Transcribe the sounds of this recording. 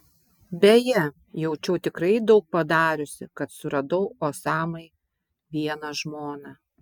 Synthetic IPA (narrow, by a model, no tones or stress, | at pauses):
bʲɛjɛ | jɛʊt͡ʃʲɛʊt̪ʲɪkɾɐɪd̪ɒʊk̚pɐd̪ɑːɾʲʊsʲɪ̰kɐt̪sʊɾɐd̪ɐʊoːsɑːmɐɪ | ʋʲiɛnɐʒmoːnɑ